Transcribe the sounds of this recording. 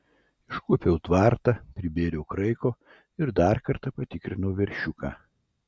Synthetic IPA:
ɪʃkupʲɛʊt̪ʋɑˑɾt̪ɑpʲɾʲɪbʲeːɾʲɛʊkɾɐɪkoː | ɪɾd̪ɑɾkɐɾt̪ɐpɐt̪ʲɪkɾʲɪnɐʊʋʲɛɾʲʃʲʊkaː

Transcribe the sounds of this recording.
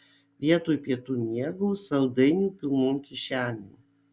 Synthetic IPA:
ʋʲiɛt̪oːjpʲiɛt̪uːnʲiɛɡuːsɐlˠd̪ɐɪnʲuːpʲɪlˠnoːmkʲɪʃʲæːnʲuː

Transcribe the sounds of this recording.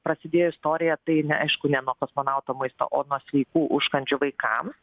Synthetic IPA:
pɾɐsʲɪd̪ʲeːjoɪst̪oːɾʲɪjɛt̪ɐɪnʲɛɐɪʃkʊnʲɛnuɔkoːsmoːnɑˑʊt̪oːmɐɪst̪o̰ːʔoːnuɔsʲʋʲɛɪkuːʔʊʃkɐnʲd͡ʒʲʊʋɐɪkɑ̰ːm

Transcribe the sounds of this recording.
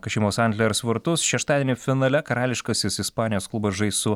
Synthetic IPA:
kɐʃʲɪmoːsɐnʲɡ̪ʲlʲɛɾsʋʲɪɾt̪ʊsʃʲɛʃt̪ɑːd̪ʲeɛnʲɪfʲɪnɐlʲɛkɐɾɑːlʲɪʃkɐːsʲɪsɪspɑːnʲɪjoːsklˠʊbɐsʒɐɪsʊ

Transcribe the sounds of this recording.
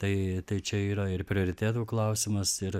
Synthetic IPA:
t̪ɐɪt̪ɐɪt͡ʃʲɛiːɾɐɪrpʲɾʲɪoːɾʲɪt̪ʲæːt̪uːklˠɐʊsʲɪmɐsɪɾ

